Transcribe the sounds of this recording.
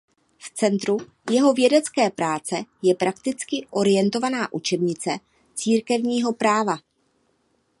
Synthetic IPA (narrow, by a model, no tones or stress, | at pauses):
ft͡sɛnt̪ɾu | jɛɦo̞vjɛdɛt͡skɛːpɾaːt͡sɛjɛpɾakt̪ɪt͡skɪʔo̞ɾɪjɛnt̪o̞vanaːʔut͡ʃɛbɲɪt͡sɛ | t͡siːɾkɛvɲiːɦo̞pɾaːva